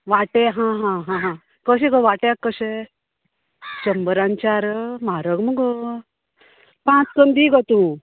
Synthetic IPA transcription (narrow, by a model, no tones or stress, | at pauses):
ʋaʈeɦãɦãɦãɦã | kəɕ̬ekəʋaʈjakːəɕe | t͡ɕəmbəɾaɲt͡ɕaɾmaɾəɡməɡə | pãt͡skənd̪iɡət̪ũ